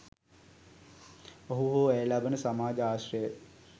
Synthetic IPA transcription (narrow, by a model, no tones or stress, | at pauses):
oɦuɦoːɛːlɐbənəsɐmaːd͡ʒaːɕrɐjə